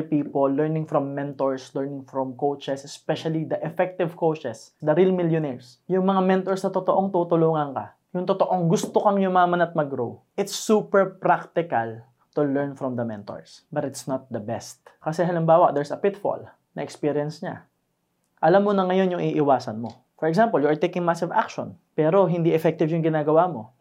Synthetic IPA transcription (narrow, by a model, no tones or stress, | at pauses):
piːpolːɛɹnɪ̃ŋfɹɔmːɛnt̪oɹslɛɹnɪ̃ŋfɾɔmkowt͡ʃɛsɛspɛʃɐlid̪ɐʔɛfɛk̚t̪ɪvkowt͡ʃɛsd̪ɐɾilmɪljonɛɹs | jʊŋmɐŋamɛ̃nt̪oɹsnɐt̪ot̪oʔoŋt̪uːt̪ʊluːŋɐŋkɐ | jʊŋt̪ot̪o̞ʔo̞ŋɡʊst̪okɐŋjʊŋmaamɐnɐt̪̚mɐɡɾowʔɪt̪sːuːpɛɹpɾakt̪ɪkɐl | t̪ʊlɛɹnfɾɔmd̪ɐmɛnt̪o̰ɹsbɐt̪ɪt̪snɐt̪̚d̪ɐbɛst̪̚kɐsɛɦɐlɪmbaːwɐʔ̚d̪ɛɹsɐpɪt̪fo̰l | nɐʔɛkspiɹjɛnsɲa̰ | ʔɐlamːonɐŋɐjo̞njʊŋʔiːʔɪwaːsɐnmo̞ | fɔɹɛksãmpɐljʊaɹt̪ejkɪ̃ŋmasɪva̰kʃo̰n | pɛːɾo̞ɦɪ̃nd̪iʔɛfɛk̚t̪ɪvjʊŋɡɪnaːɡɐwamo̞